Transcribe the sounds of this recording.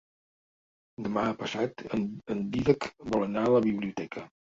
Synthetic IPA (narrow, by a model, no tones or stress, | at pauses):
d̪əmaəpəsat̪ənənd̪iðəkbɔlənaləβiβliut̪ɛkʰə